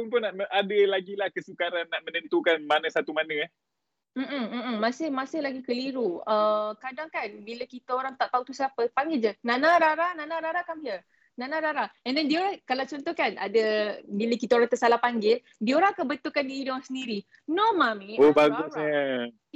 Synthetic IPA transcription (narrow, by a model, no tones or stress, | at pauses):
pʊnpʊnaʔəʔadəlaɡilahkəsukaɾanːaʔmənənt̪ukanmanəsat̪umanəa | m̩ʔ̩ːasɪhmasɪhlaɡikəliɾuəkadaŋkanbiləkit̪əoɾaŋt̪aʔt̪aut̪usiapəpaŋɡɪld͡ʒənanaɾaɾanãnaɾaɾakamiə | nãnãɾaɾaɛndɛndioɾakalawt͡ʃɔnt̪ɔhkana̰dəbiləkit̪aoɾaŋt̪əsalahpaŋɡɪl | dioɾaŋkabət̪ukandiːdɔŋsəndiɾi | nomãmĩobaɡʊsɲə